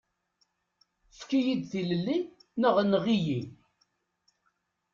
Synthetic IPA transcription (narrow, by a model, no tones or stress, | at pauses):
skːijid̪θiləlːinəʁnʁiji